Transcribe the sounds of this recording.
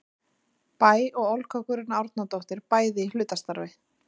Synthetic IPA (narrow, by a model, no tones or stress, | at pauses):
paːjɔɣɔlkʰœkʏɾɪnːaawɾt̪̚nat̪owht̪ɪɾpaːjðɪil̥ʏːt̪ast̪aɾvɪ